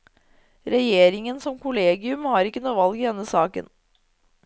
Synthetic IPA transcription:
ɾɛjeːɾɪŋənsɔmkʰʊleːɡɪʉmhɑːɾɪkːənuːʋɑlɡɪːd̪ɛnːəsɑːkə̰n

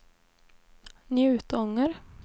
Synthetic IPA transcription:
njʉ̟ːt̪ɔŋːəɾ

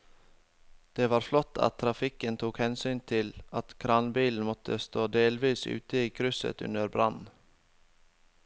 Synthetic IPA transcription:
d̪̥eːʋɑːɾflɔt̪ʰːɑ̰t̪ʰːɾɑfɪkənt̪ʰuːkhɛnsyːnt̪ʰɪlʔɑt̪kʰɾɑnbiːln̩mɔt̪ʰəst̪oːd̪eːlʋiːsʉ̰ːt̪əiːkʰɾʉsə̰t̪ʉ̰nəɾbɾʔɑ̰n

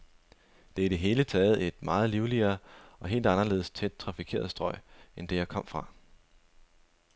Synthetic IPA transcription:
d̥e̝iɾ̥e̝ɦe̝ːlət͡sʰɛːð̩ˠe̝d̥mɑ̈ːð̞̩ˠliʊliɐːɒ̽ɦe̝̰ːld̥ɑ̈nɐle̝̰ːð̞̩ˠst͡sʰed̥̚t͡sʰʁɑ̈fikʰe̝̰ɐðˠsd̥ʁɒ̽ɪ̰end̥e̝jɑ̈ɪkʰɒ̽m̰fʁɑ̈

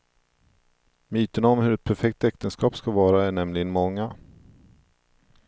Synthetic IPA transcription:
myːt̪ənaɔmhɵɾɛt̪̚pʰæɾfɛk̚t̪ɛk̚t̪ənskɑːpskavɑːɾaæɳɛmlɪɡənmɔŋːa

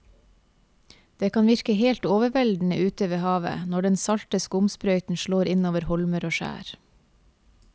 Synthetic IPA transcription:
d̪̥eːkʰɑːnʋɪɾkəheːlt̪oːʋəʋɛld̪n̩əʔʉːt̪əʋeːhɑːʋə̰nɔɖɛnsɑlt̪əskʊmspɾœʏt̪n̩ʃɭoːɾɪnoːʋəɾhɔlməɾoːʃæ̰ːɾ

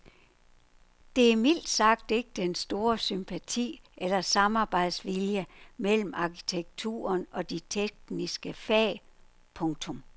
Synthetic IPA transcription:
d̥e̝æmil̰d̥sɑ̈ɡ̥̚d̥e̝ɡ̥əd̥ensd̥o̝ːɐsympʰæt͡sʰḭːelɐsɑ̈mɑ̈ːb̥ɑ̈ɪd̥sʋiljəmel̰m̩ɑ̈kʰi̥t͡sʰeɡ̥̚t͡sʰṵːɐnɒ̽d̥it͡sʰeɡ̥nisɡ̥əfɛː | pʰɔ̽ŋt͡sʰɔ̽m

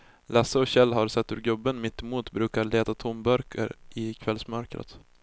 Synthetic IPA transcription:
lasəɔɕɛlːɦaɾsɛt̪ːhɵɾɡɵbːənmɪt̪ːɛmuːt̪bɾʉ̟ːkaɭeːt̪at̪ʰʊmbœɾkʰə̰ɾɪkʰvɛlsmœɾkɾə̰t̪

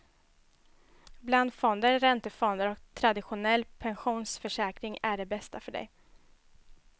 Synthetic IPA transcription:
bland̪fɔnd̪əɾɾɛnt̪əfɔnd̪əɾɔkt̪ʰɾad̪ɪɧʊnɛlːpʰɛnɧuːnsfœʂɛːkɾɪŋæɖɛbɛst̪afœɖɛ̰j

